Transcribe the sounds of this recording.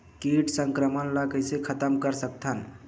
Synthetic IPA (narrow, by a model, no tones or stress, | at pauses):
kiʈsəŋkɾəmənləɡəjsekʰət̪əmkəɾsək̚t̪ʰən